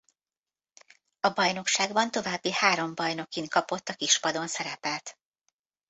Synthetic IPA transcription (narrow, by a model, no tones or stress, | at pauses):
ɒbɒjno̞kʃaːɡbɒnt̪o̞vaːbːihaːɾo̞mbɒjno̞kinkɒpo̞t̪ːɒkiʃpɒd̪o̞nsɛɾɛpɛlt̪